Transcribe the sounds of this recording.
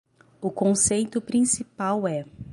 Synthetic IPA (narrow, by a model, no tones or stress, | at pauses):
ʊkõsejt̪ʊpɾĩsipawɛ